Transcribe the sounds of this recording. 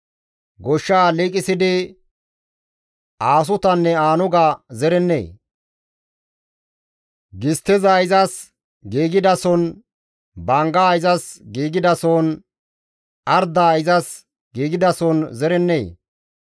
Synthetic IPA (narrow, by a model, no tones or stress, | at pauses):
ɡɔʃːaːliːkʼɪsɪd̪ɪ | aːs̬ʊt̪ɐnːɛaːnʊɡɐzɛɾɛnːḛː | ɡɪst̪ːɛzaɪzɐs | ɡiːɡɪd̪ɐsɔn | bɐŋɡaːɪzɐsɡiːɡɪd̪ɐsɔn | ɐɾd̪aːɪzɐs | ɡ̥iːɡɪd̪ɐsɔnzɛɾɛnːḛː